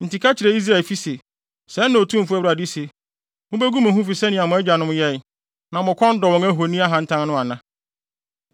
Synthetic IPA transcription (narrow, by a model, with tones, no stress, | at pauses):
n̩˨ti˨kʰa˦t͡ɕʰɪ˨ɾɛ˨˦i˦s̬ɾa˦˨lfi˦se˨ | sɛ˨˦nʊ̃˨o˨tʰũ˦m̩˨fʊ˦ɛ˦wa˨dɪ˦se˨ | mʊ̃˦bæ˦ɡu˦mʊ̃˨ɦũ˦fi˨sɛ˦nɪ̃˨a˨mʊ̃˨ɛ˦d͡ʑᶣa˨nʊ̃˦m˦jɛ˦˨ | nã˨mʊ̃˨kʰɔ̃˦n̩˦dɔ˨wɔ̃˨ŋæ˦ɦo˨nĩ˦a˦ɦã˨n̩˦tʰã˦n˦nʊ̃˦a˨nã˦